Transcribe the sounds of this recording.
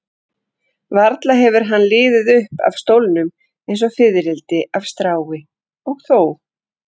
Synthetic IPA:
vaɾt̪laɦɛvʏɾ̥ɦanːlɪːðɪðʏhpa̰v̥st̪owlnʏm | ejns̬ɔfɪðɾɪlt̪ɪʔav̥st̪ɾaːwɪ | ɔɣθoːw

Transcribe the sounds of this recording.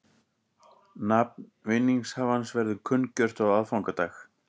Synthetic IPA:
nap̚nvɪnːiŋshavansvɛɾðʏkʰʏncœr̥t̪awaðfawŋkat̪aːx

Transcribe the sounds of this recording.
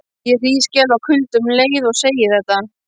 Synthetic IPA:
jɛriːscɛːvakʰʏlt̪ʏmleːjðɔɣseːjɪθɛt̪ːa

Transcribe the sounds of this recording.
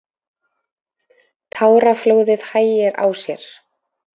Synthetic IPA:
t̪ʰaːwɾafloːwðɪðhaːjɪɾa̰ːwsjɛɾ̥

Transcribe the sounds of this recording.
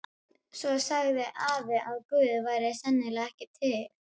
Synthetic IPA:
svɔsaɣðɪʔaːvɪʔaðkʏːðvaːjɾɪsɛnːɪlaɣɛhcɪt̪ʰɪl

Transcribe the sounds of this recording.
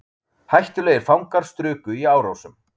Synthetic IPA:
hajht̪ʏleːjɪɾ̥fawŋkaɾ̥st̪ɾʏːkʏiaːwɾowsʏm

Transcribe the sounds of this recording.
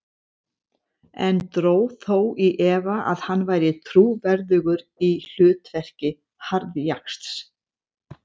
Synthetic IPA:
ɛ̰nt̪ɾoːwθowiʔɛːvaʔa̰ðhanːvaːjɾɪt̪ʰɾuːvɛɾðʏɣʏɾil̥ʏːt̪vɛr̥cɪ | haɾðjakst̪s

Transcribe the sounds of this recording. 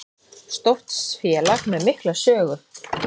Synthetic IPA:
st̪oft̪sfjɛlaxnmɛðmɪhklasœːɣʏɾ̥

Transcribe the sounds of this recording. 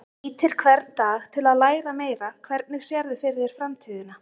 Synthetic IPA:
iːt̪ʰɪɾ̥kʰvɛɾt̪nt̪aːɣt̪ʰɪlaðlaːjɾameːjɾakʰvɛɾt̪̚nɪɣsjɛɾðɪfɪɾðjɛɾ̥fɾamt̪ʰiːðɪna

